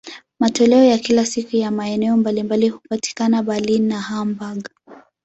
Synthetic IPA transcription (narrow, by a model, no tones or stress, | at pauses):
matɔlɛɔjakilasikujamaɛnɛɔmbalimbalihupati̥kanaɓalinːahambaɡ